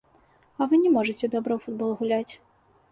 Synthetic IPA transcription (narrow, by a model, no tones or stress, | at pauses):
ɐvɨnʲɛmɔʐɨt͡sʲɛd̪ɔbɾɐwfud̪̚bɔlˠɣulʲat͡sʲ